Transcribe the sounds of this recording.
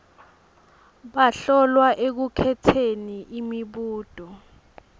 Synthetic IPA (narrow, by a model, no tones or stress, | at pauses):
ɓaɬɔlwaʔek̬ukʰɛtʰeniʔimiɓuːd̥ʱɔ